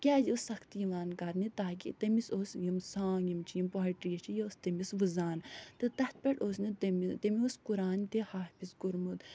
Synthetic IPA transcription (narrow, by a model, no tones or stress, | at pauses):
kʲaːzusɐkt̪ijiʋaːnkɐɾnit̪aːkḭt̪ɐmisoːsjimsãːnjimt͡ʃʰijimpɔːiʈɾijɐt͡ʃʰijɐost̪ɐmisʋuzaːnt̪ɨt̪ɐt̪̚pʲeʈoːsnɨt̪ɐmit̪ɐmioskuɾaːnt̪ehaːfisɡuɾmut̪